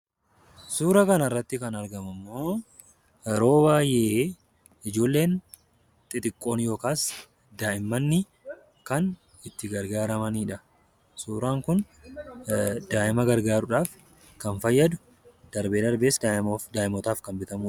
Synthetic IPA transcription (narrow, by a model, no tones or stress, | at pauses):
suːɾɐkɐnɐrːɐt̪ːɪkɐnɐɾɡɐmɐmːo̞ː | ɾo̞ːbaːjʔeː | ɪd͡ʒo̞ːlːe̞ːn | t̪ʼɪt̪ʼɪkʼːo̞ːnjo̞ːkaːs | d̪aːʔɪmːɐnːɪ | kɐn | ɪt̪ːɪɡɐɾɡaːɾɐmɐniːᶑɐ | suːɾaːŋkʊn | d̪̥aːʔɪmɐɡɐɾɡaːɾʊᶑaːf | kɐnfɐjːɐd̪ʊ | d̪̥ɐɾbeːd̪ɐɾbe̞ːsd̪aːʔɪmɔt̪aːfkɐnbɪt̪ɐmuː